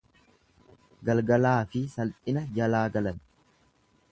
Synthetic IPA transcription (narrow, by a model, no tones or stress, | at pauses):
ɡɐlɡɐlaːfɪsɐltʼɪnɐd͡ʒɐlaːɡɐlɐn